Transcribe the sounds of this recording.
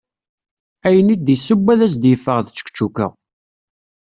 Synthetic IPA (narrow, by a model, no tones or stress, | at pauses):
æjənid̪isəbːæðæs̬d̪jəfːəʁðt͡sːə̥kt͡ʃːukə̰